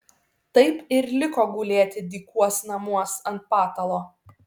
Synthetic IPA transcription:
t̪ɐɪpɪɾlʲɪkoːɡuːlʲeːt̪ʲɪd̪ʲiːkuɔsnɐmuɔsɐnt̪̚pɑːt̪ɐlˠoː

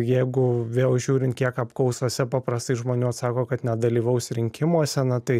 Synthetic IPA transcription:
jɛɪɡʊʋʲeːlˠʒʲuːɾʲɪnt̪̚kʲiɛkɐpkɐʊsoːsʲɛpɑːpɾɐst̪ɐɪʒmoːnʲuːɐt̪sɑːkoːkɐt̪nʲɛd̪ɐlʲiːʋɐʊsʲɾʲɪŋʲkʲɪmuɔsʲɛnɐt̪ɐɪ

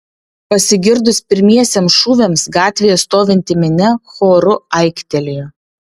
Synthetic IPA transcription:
pɐsʲɪɡʲɪɾd̪ʊspʲɪɾʲmʲiɛsʲeːmsʃuːʋʲemsɡɑːt̪ʲʋʲɪjɛst̪oːʋʲɪnʲt̪ʲɪmʲɪnʲɛxoːɾʊɐɪkʲt̪ʲɛlʲejʊ

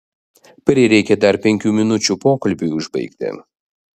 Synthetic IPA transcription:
pɾʲɪɾʲɛɪkʲɛd̪ɐɾpʲɛŋʲkʲuːmʲɪnʊt͡ʃʲuːpoːkɐlʲbʲuʊʒbɐ̰ɪkt̪ʲɪ̰

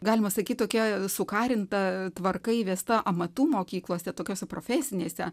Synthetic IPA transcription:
ɡɑːlʲɪmɐsɐkʲit̪̚ʲt̪oːkʲɛsʊkɑːɾʲɪnt̪ɐt̪ʋɐrkɐɪʋʲiːst̪ɐʔɐmɐt̪uːmoːkʲiːklˠoːsʲɛt̪oːkʲoːsʲɛpɾoːfʲæːsʲɪnʲeːsʲɛ

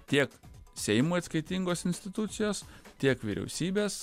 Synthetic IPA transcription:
t̪ʲiɛksʲɛɪmuɐt̪skɐɪt̪ʲiŋɡoːsɪnʲsʲt̪ʲɪt̪ʊt̪sʲɪjoːst̪ʲiɛkʋʲḭːɾʲɛ̰ʊsʲiːbʲeːs

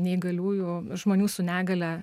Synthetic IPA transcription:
nʲɛɪɡɐlʲuːjʊʒmoːnʲuːsʊnʲæːɡɐlʲɛ

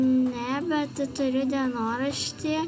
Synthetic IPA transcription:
nʲɛbʲɛt̪t̪ʊɾʲʊd̪ʲiɛnoːɾɐʃʲt̪ʲɪ

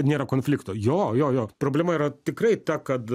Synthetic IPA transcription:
nʲeːɾɐkoːnʲfʲlʲɪkt̪oːjoːjoːjoːpɾoːbʲlʲɛmɐiːɾɐt̪ʲɪkɾɐɪt̪ɐkɐt̪

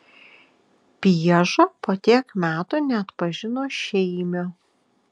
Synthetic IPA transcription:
pʲiɛʒoːpoːt̪ʲiɛkmʲæːt̪uːnʲɛɐt̪pɐʒʲɪnoːʃʲɛɪmʲo

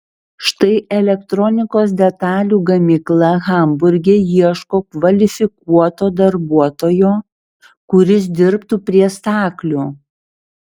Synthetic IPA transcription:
ʃt̪ɐɪʔɛlʲɛkt̪ɾɔnʲɪkoːs̬d̪ʲɛt̪ɑːlʲuːɡɐmʲɪklˠɐɣɐmbʊɾʲɡʲeːjiɛʃkoːkʋɐlʲɪfʲɪkuɔt̪oːd̪ɐɾbuɔt̪oːjoː | kʊɾʲɪs̬d̪ʲɪɾpt̪uːpʲɾʲiɛst̪ɑːklʲuː

